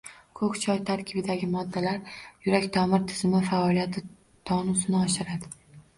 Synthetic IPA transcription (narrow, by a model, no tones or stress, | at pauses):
kʰɵkʲt͡ʃʰɒjt̪ʰaɾkʲʰɪbɪd̪aɡʲɪmɒd̪ːalaɾjʊɾakʲt̪ʰɒmɪɾt̪ʰɪzmɪfaɒlijat̪ʰɪ | t̪ʰɒnusɪnɪɒʃɪɾad̪ɪ